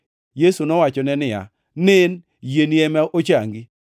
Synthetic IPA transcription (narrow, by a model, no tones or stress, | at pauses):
jesunɔwat͡ʃɔnɛnɪja̰ | nɪn | jeniɛmɛʔot͡ʃaŋɡi